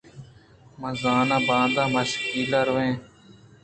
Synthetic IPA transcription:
mə̃zaːnãːbãːnd̪ãːməʃkiːlaːɾʊʋẽː

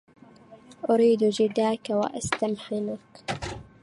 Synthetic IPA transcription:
ʔʊɾiːd̪d͡ʒɪd̪aːkawa̰ʔast̪amħɪnak

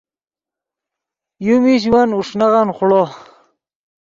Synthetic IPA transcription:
jumiɕ̬wanuʂnaʁɑnχʊɭo

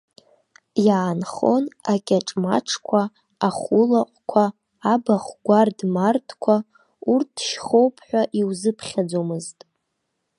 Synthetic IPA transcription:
jaːnχo̞nakʲʼaʈ͡ʂʼma̰ʈ͡ʂʰkʷʰaː | χulaqʷʼkʷʰaː | baχʷɡʷardmartʰkʷʰa | urtʰʃχowpʰħʷᶣaʔiwzɨpʰχʲad͡zomɨztʼ

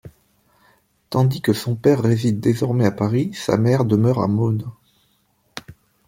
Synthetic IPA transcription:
t̪ɑ̃d̪ikəsɔ̃pɛʁːezid̪ːezɔʁmɛapaʁisa̰mɛʁd̪əmœʁa̰mon

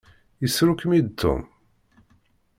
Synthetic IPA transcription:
jəsɾukmid̪̚t̪ʰːʊ̰m

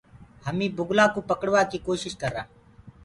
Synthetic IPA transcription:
həmĩːbʊɡlaːkũːpəkəɽʋaːkiːkoːʃɪʃkəɾã̰ː

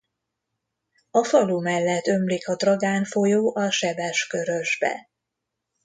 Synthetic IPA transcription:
ɒfɒlumɛlːɛt̪ːø̞mlikɒd̪rɒɡaːnfo̞joːʔɒʃɛbɛʃkø̞ɾø̞ʒbɛ̰

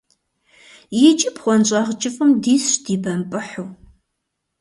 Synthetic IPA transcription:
jɪt͡ʃʼɪpχʷɔnɕʼɑʁt͡ʃʼɪfʼɨmdiːsɕdiːbɐmpʼɨħuw

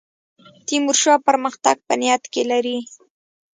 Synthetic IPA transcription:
t̪imuɾʃapəɾməxt̪aɡ̚pənɪjat̪kelaɾi

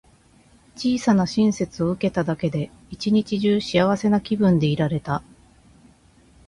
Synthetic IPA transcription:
t͡ɕiːsanaɕĩɰ̃se̞t͡sɨo̞ɯ̟ke̞t̪ad̪ake̞d̪e̞ | it͡ɕiɲ̟it͡ɕiʑɨːɕiaβ̞ase̞nakʲibɯ̟̃nd̪e̞iɾaɾe̞t̪a

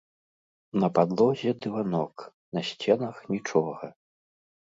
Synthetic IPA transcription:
nɐpad̪lˠɔzʲɛd̪ɨvanɔk | nɐsʲt͡sʲɛnɐxnʲit͡ʂɔɣɐ

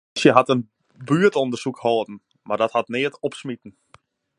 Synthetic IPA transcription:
sjəɦatən | byətondərsukhoːdn̩ | mardɔthatnɪətɔpsmitn̩

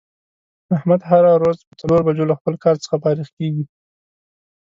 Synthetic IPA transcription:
ahmad̪ɦaɾaɾwazpət͡saloɾbad͡ʒolaxpəlkɑɾt͡sə̥xapɑɾixkeɡi

